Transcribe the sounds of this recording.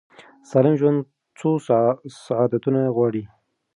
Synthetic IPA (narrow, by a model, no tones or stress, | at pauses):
sɑlɪmʒwand̪ | t͡sosaʕɑd̪at̪unaɣwɑɽi